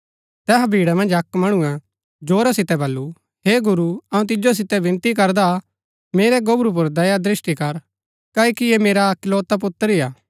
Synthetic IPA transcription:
t̪ɛːɦabʱiːɽamɐ̃nd͡ʒɐkmɐɽ̃ũɛ̃ | d͡ʒoːɾasɪt̪ɛbɐlːu | heːɡʊɾuɐũt̪̬ɪd͡ʒos̬ɪt̪ɛbɪ̃nt̪ikɐɾd̪a | meːɾɛɡobɾup̬ʊɾd̪ɐjad̪ɾɪʃʈikɐɾ | kaːikijemeːɾakɪloːt̪ap̬ʊt̪ːəɾijaː

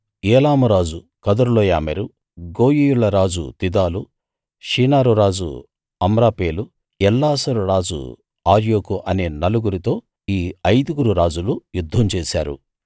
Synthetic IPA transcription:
eːlaːmuɾaːd͡ʒu | kɐd̪ɐɾulojaːmeɾu | ɡo̞ːjijuɭːɐɾaːd͡ʒṵt̪id̪aːlu | ʂiːnaːɾuɾaːd͡ʒṵ | ɐmɾaːpeːlu | ɛlːaːsɐɾuɾaːd͡ʒṵ | aːɾjoːkuʔɐneːnɐluɡuɾit̪o̞ː | iːɐjd̪uɡuɾuɾaːd͡ʒulujud̪ʱːɐmt͡ʃeːsaːɾṵ

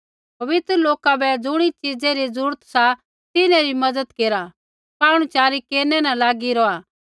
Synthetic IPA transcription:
pɐʋɪt̪ɾəloːkabɛd͡zʊɽ̃it͡ʃid͡zeɾizuːɾt̪sa | t̪ɪnãɾimɐdəd̪keːɾa | paːɽ̃ũt͡ʃaːɾikeːɾnɛnalaːɡiɾɔaː

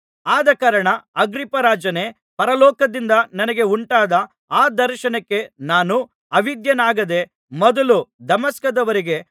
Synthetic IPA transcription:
aːd̪ɐkaːɾɐɳɐɐɡɾipɐɾaːd͡ʒɐne | pɐɾɐlɔːkɐd̪ind̪ɐnɐnɐɡe̞uɳʈaːd̪ɐ | aːd̪ɐɾʃɐnɐkːe̞naːnu | ɐʋid̪jɐnaːɡɐd̪e̞ | mɔd̪ɐlud̪ɐmɐskɐd̪ɐʋɐɾiɡe̞

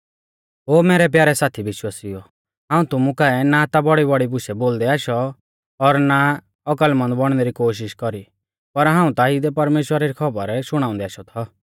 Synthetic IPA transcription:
ɦoːmeːɾɛp̬jaːɾɛsaːt̪ʰibɪʃwaːsijɔ | ɦãːũt̪ʊmũkaɛnat̪abɔɽibɔɽibʊʃɛboːld̪ɛaːʃɔ | ɔɾna | ɔkəlmɐ̃nd̪bɔɽ̃nɛɾikoːʃ̬ɪʃkɔɾi | pɐɾɦãːũt̪aid̪ɛpɐɾmeːʃwəɾaɾikʰɔbəɾʃʊɽ̃aːʊ̃nd̪ɛaːʃɔt̪ʰɔ

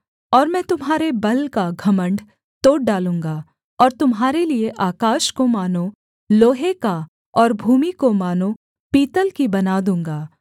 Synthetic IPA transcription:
ɔːɾmɛ̃ːt̪ʊmɦaːɾebɐlkaɡʱɐmə̃ɳɖ | t̪oːʈ̚ɖaːlũːŋɡaː | ɔːɾt̪ʊmɦaːɾelieʔaːkaːʃkomaːnõ | loːɦeka | ɔːɾbʱuːmikomaːnõ | piːt̪əlkibɐnaːd̪ũːŋɡaː

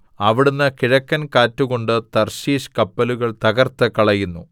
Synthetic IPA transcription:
ɐʋiɽunːɐkiɻɐkːɐnkaːtːuɣo̞ɳɖɨt̪ɐrɕiːɕkɐpːɐluɣɐɭt̪ɐɣɐrt̪ɨkɐɭɐjunːu

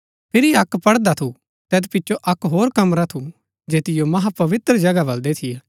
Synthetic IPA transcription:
pʰɪɾiɐkːpɐɽd̪at̪ʰu | t̪ɛːt̪pɪːt͡ʃʰoʔɐkːɦoːɾkɐmɾat̪ʰu | d͡ʒeːt̪ɪjomɐɦapɐʋɪt̪ɾəd͡ʒɐɡabɐld̪et̪ʰie

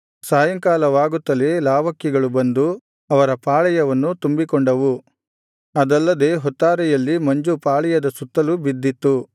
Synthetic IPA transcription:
saːjɐŋkaːlɐʋaːɡut̪ːɐleːlaːʋɐkːiɡɐɭubɐnd̪u | ɐʋɐɾɐpaːɭɛjɐʋɐnːut̪umbikɔɳɖɐʋu | ɐd̪ɐlːɐd̪e̞ːɦɔt̪ːaːɾɛjɐlːimɐɲd͡ʒupaːɭɛjɐd̪ɐsut̪ːɐlubid̪ːit̪ːu

